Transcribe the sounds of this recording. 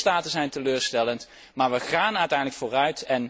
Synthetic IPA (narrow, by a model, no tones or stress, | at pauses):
taːtəzɛjntəløːɹstɛlənt | maːɹʋəχaːnœɥtɛjndləkfʊːrœɥtɛn